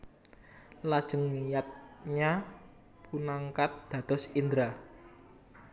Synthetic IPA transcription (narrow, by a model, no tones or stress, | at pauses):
lad̥ʒ̥ə̤ŋijat̪̚ɲa | punaŋkat̪̚d̪̥ä̤d̪̥ɔ̤sind̪ɾa